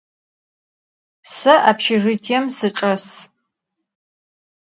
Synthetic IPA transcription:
sɐʔaːpʃɪʐɪtʰiɛmsɨʈ͡ʂʼɐs

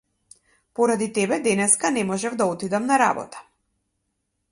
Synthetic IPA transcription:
pɔɾad̪it̪ɛbɛd̪ɛnɛskanɛmɔʒɛvd̪aɔt̪id̪amnaɾa̰bɔ̰t̪ḁ

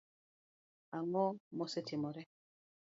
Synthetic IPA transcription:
aŋɔmɔsɛtʰimɔɾɛ

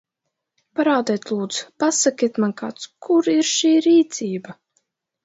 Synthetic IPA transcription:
paɾaːd̪ɛːt̪ʲlˠuːd̪zu̥pasakʲit̪manka̰ːt̪skʰuɾiɾʃiːɾiːt̪siːba

